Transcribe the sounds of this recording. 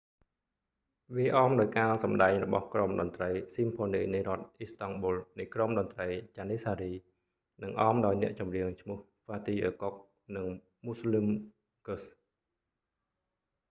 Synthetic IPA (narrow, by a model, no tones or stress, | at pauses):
ʋiəʔɑːmɗaɔjkaːlsɑmɗaɛŋrɔɓɑhkromɗɑnt̪rəjsimpʰoːniːnɨjrŏət̪̚ʔist̪ɑŋɓoːlnɨjkromɗɑnt̪rəjt͡ɕaːniːsaːɾiː | nɨŋʔɑːmɗaɔjnɛ̆əʔt͡ɕɑmriəŋt͡ɕʰmʊ̆əh | faːt̪iːʔəːkok̚ | nɨŋ | muslim | kəs